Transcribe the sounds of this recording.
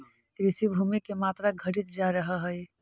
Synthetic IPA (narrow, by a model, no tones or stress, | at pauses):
ɾɪsibʱumikemaːt̪ɾaɡʱəʈit̪d͡ʒaɾəɦəɦəj